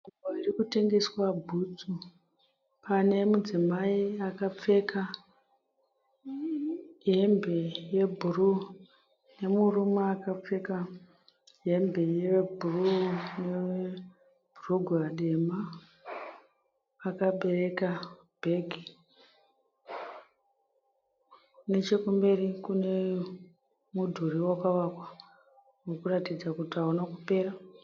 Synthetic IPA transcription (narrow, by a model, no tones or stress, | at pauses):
uboirikute̞ŋɡe̞swabʱut͡su | pane̞mud͡zimaiakap͡fe̞ka | ɦe̞mbe̞je̞bʱuru | ne̞murumaakap͡fe̞ka | ɦe̞mbʱejebʱurunewe | bʱuruɡʱuaɗe̞ma | kaɓe̞re̞ka | b̥ʱeɡʱi | ne̞t͡ʃekumbe̞rikune̞ | mudʱuriwakaʋakwa | wokuratid͡zakutaonakupe̞ːra